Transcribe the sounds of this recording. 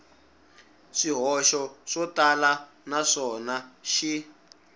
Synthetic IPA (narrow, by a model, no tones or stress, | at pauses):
ʂiɦɔʃɔʂɔtala | naʂɔnaʃi